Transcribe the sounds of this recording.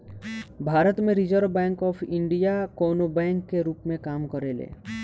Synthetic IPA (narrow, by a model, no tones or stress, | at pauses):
bʱaːɾət̪mẽɾɪd͡ʒəɾʋbɛ̃ːŋkɔːpʰɪ̃ɳɖijakoːnobɛ̃ːŋkːeɾuːpmẽkaːmkəɾeːlḛː